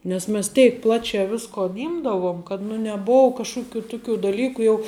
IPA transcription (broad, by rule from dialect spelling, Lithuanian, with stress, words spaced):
nʲɛs ˈmʲɛs ˈtʲɛɪk ˈplˠɑːt͡ʃʲæː ˈʋʲɪskoːn ˈɪmdɐʋoːm kɐt nʊ nʲɛˈboːʊ kɐʃˈkʊˌkʲuː ˈtʊˌkʲuː dɐˈlʲiːkʊ jɛʊ